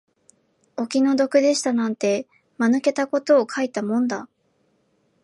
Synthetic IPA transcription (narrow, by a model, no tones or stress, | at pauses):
o̞kʲino̞d̪o̞kɯ̟d̪e̞ɕi̥t̪anãnt̪e̞ | manɯ̟ke̞t̪ako̞t̪o̞ːkʰait̪amõ̞nd̪a